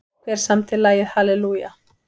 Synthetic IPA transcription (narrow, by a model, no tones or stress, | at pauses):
kʰvɛɾ̥samt̪ʰɪlːaːjɪðhalɛluja̰